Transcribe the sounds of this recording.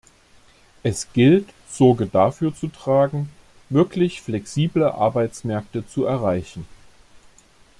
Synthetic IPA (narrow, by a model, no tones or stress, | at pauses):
ʔɛsɡ̥ɪlt | z̥ɔɐɡədafyːɐt͡sutʁ̥aːɡŋ̩ | vɪɐklɪçflɛksiːbləʔa̰ɐbaɪt͡smɛɐk̚tət͡suʔɛɐʁaɪçn̩